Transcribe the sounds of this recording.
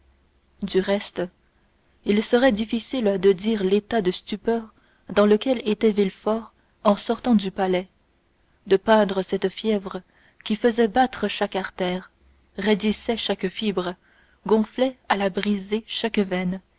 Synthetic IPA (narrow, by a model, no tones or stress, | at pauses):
d̪yʁɛst̪ | ilsəʁɛd̪ifisild̪əd̪iːʁlet̪ad̪əst̪ypœːʁ | d̪ɑ̃ləkʲɛlet̪ɛvilfɔʁ | ɑ̃sɔʁt̪ɑ̃d̪ypalɛ | d̪əpɛ̃d̪ʁəsɛt̪fjɛvʁə | kʲifəzɛbat̪χəʃakaʁt̪ɛːʁ | ʁed̪isɛʃakfibʁə | ɡɔ̃flɛalabʁizeʃakvɛn